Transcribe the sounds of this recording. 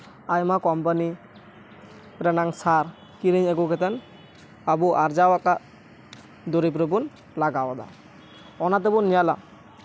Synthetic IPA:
ajmakɔmpani | pɾɛnaŋsaɾ | kiɾiɲɛɡɔkɛt̪an | abuʔaɾd͡ʒawakaʔ | d̪oɾip̬ɾəbun | laɡawɔd̪a̰ | ɔnat̪ɛbunːijala

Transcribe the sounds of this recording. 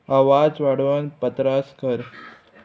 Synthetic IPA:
aʋad͡zʋaɽʋənpət̪ɾaskəɾ

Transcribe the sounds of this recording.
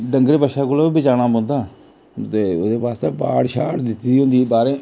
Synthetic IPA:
ɖəŋɡɾeːbəʃaːkʊloːibɪt͡ʃaːɽ̃aːbõːnd̪aː | t̪eːʊd̪eːpaːst̪ãːba̰ːɽʃaːʈd̪ɪt̪iiɦõːnd̪iːbaːɾẽː

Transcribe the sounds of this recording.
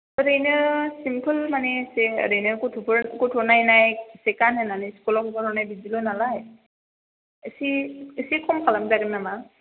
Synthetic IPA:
ɹenəɹsimpʰəlmanɛseɹejnɔɹkutʰubɔɹkutʰɔnajnajsɛkanɦɛnanɛskulɔkɔbɔɔnajbizilɔnalaj | əsiəsikʰɔmkʰalamzaɡɯmnama

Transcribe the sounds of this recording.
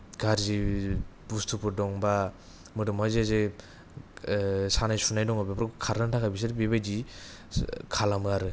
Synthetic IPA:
ɡaɾzibustʰupʰɯɾdɔŋba | mɯdɯmhɔzeze | sanajsunajdɔŋabapɾɔkkʰaɾɯntʰakʰajbis̬ɯɾbebajd͡ʒi | kʰalamɯaɾɯ

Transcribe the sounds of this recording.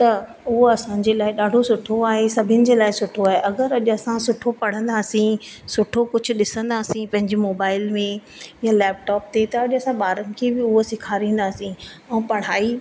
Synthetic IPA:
t̪ɐ | ʊɦoɐsãːɲd͡ʑeːlaːɪɗaːɖʱosʊʈʰoaːɦesɐbʱɪənɪ̆d͡ʑeːlaːɪsʊʈʰoaːɦeʔɐɡəɾɐʄʊɐsãsʊʈʰopɐɽ̤ə̃nd̪aːsĩsʊʈʰokʊd͡ʑʱʊ̆ɗɪsə̃nd̪aːsĩpɐ̃ɦɪ̃ɲd͡ʑemoːbaːɪlmẽ | jãlɛːp̚ʈɔːp̚t̪et̪ɐɐʄʊɐsãɓaːɾənɪ̆kʰeːbɪʊɦosɪkʰaːɾĩːn̆d̪aːsĩɛ̃ːpɐɽ̤aːi

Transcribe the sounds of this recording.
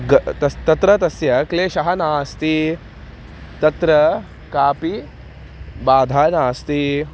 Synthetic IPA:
ɡɐt̪ɐt̪ɐt̪ɾɐt̪ɐsjɐkleːʃɐɦɐnaːst̪i | t̪ɐt̪ɾɐ | kaːpi | baːd̪ʱaːnaːst̪i

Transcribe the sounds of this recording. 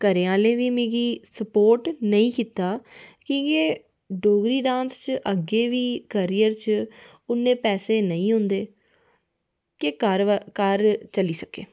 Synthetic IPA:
kəɾeːãːlẽːʋiːmẽːɡiːsəpoːɾʈnəĩːkiːt̪aːkĩːkeː | ɖoːɡɾiːɖãːnst͡ʃʔəɡeːʋiːkəɾiːəɾt͡ʃ | ʊnːẽːpɛːseːnəĩːɦʊ̃nd̪eː | kekəɾkəɾt͡ʃəliːsəkḛː

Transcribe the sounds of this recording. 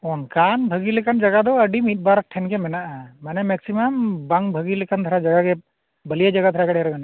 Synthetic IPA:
ɔŋkanbʱəɡilɛkand͡ʒɐɡad̪ɔəɖimit̪̚baɾk̚ʈʰɛnkɛmɛnaʔamanɛmɛksimɐmbaŋbʱəɡilɛkand̪ʱəɾad͡ʒaɡakɛ | bəlijad͡ʒəɡad̪ʰʱəɾakaɽjɾɔbɛna

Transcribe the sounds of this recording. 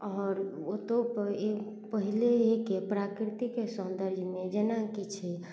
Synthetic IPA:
ɔːɾot̪opəe | pəɦileekepɾakɾit̪ikesə̃nd̪əɾd͡ʒʱmed͡ʒenakit͡ʃʰɛ

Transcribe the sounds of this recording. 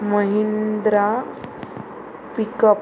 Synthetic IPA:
məɦind̪ɾa | pikəp

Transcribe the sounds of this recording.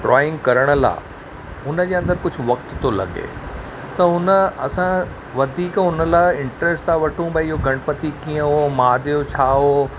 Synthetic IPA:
ɖɾɔːɪ̃ŋɡkɐɾəɽ̃ə̆la̰ː | ʊnə̆d͡ʑeːɐ̃nd̪əɾkʊd͡ʑʱʊ̆ʋɐk̚t̪t̪olɐ̰ɠḛ | t̪ɐɦʊnəɐsã | ʋɐd̪ʱiːkʊnə̆laːɪɪ̃ɳʈɾesʈt̪ãʋɐʈʰũbɐɪɦoɡʱɐɽ̃pət̪ikiːə̃ɦomaːd̪ijot͡ɕʰaːɦo

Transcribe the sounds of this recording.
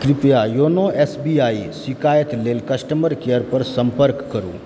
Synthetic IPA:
kɾɪp̪jajoːnoeːsbiaːisɪkaːjət̪leːlkɐsʈəməɾkeəɾpɐɾsɐ̃mpəɾkːɐɾṵː

